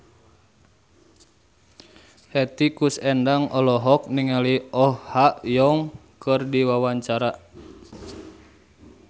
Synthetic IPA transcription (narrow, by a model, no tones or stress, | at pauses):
hɛt̪ikusɛndaŋɔlɔɦɔk̚niŋaliɔhhaʔjɔŋkɨrdiwawaɲt͡ʃaɾa